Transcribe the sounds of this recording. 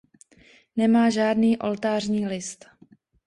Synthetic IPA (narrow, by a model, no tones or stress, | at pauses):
nɛmaːʒaːdniːʔo̞̰lt̪aːrɲiːlɪst̪